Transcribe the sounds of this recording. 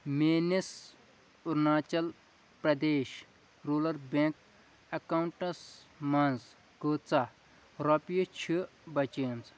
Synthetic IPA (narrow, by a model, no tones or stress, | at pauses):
meːnis | uɾnaːt͡ʃɐl | pɾɐd̪eːʃ | ɾuːlɐɾbeŋk | ɐkawuɳʈɐsmɐnz | ɡoːt͡sa | ɾɔpjut͡ʃʰi | bɐt͡ʃiɐnz